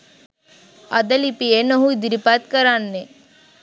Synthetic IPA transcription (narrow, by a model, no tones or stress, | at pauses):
ɐd̪əlipienəɦuid̪iɾipat̪kəɾanːe